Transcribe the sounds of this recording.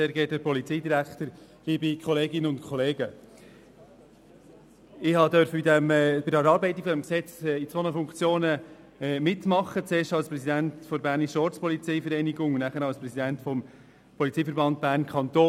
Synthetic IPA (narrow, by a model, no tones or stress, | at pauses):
seːɾɡeːt̚dəɾpɔlit͡siːdiɾækt̪əɾ | libikʰχɔleːɡɪnəʊntkχɔleːɡ̥ə | ɪhɑd̪œɾfəbidɛmbɪdəɛɾɑːɾbɛɪt̪ːiɡ̥fɔdɛmksɛt͡sit͡sonəfʊŋkt͡sjoːnə | mɪtːmɑχːət͡seːʃtɑlspɾɛsidænt̪fɔɾbæːɾrniʃɔɾt͡spɔlit͡siɪfəɾɛɪniɡʊŋnæχəɾɑlspɾɛsidæntfɔm | pʰɔlit͡siːfəɾbɑnt̚b̥æːrnkʰɑnt̪oː